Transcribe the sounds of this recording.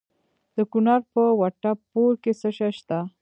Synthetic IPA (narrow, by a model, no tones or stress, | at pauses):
d̪̥əkunɑɾpəwaʈapːoɾkesəʃaʃt̪a